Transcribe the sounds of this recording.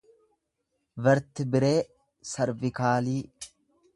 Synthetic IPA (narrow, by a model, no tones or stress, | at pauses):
bɐɾt̪ɪbɪɾe̞ː | sɐɾvɪkaːliː